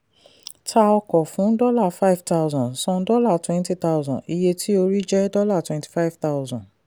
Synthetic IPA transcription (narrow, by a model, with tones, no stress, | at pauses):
tʰa˧ɔ˧kɔ˨fũ˨˦dɔ˦la˦˨fa˦i˨vta˦ʊ˨zɔ̃˨sɔ̃˧˦dɔ˦la˦˨twɛ̃˦nti˦ta˦ʊzɔ̃˨i˧je˧tʰi˦o˧ɾi˦d͡ʒɛ˦dɔ˦la˦˨twɛ̃˧nti̥˨fa˦i˨vta˦ʊzɔ̃˨